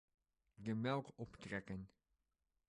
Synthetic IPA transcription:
dəmɛlˠkɔptrɛkən

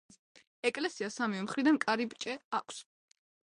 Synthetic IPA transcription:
ɛkʼlɛsiasamivɛmχɾid̪ankʼaɾibt͡ʃʼɛakʷʰs

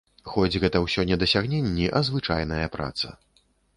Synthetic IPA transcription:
xɔd͡zʲɣɛt̪ɐwsʲɔnʲɛd̪ɐsʲaɣnʲenʲːiʔɐzvɨt͡ʂajn̪ɐjɐpɾa̰t̪sɐ̰

